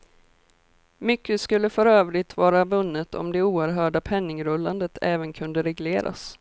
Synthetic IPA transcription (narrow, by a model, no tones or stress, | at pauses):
mʏkːəskɵlːəfœɾøːvɾɪt̪vɑːɾavɵnːət̪ʰɔ̰md̪ɛuːæɾɦœːɖapʰɛnːɪŋɾɵlːand̪ət̪ʰɛːvənkʰɵnd̪əɾɛɡleːɾʔa̰s